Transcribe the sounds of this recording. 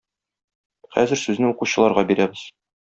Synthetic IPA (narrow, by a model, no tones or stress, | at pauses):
χæ̰zɘɾsʉznɘuquɕɤ̆lˠɑɾʁɑbiɾæbɘz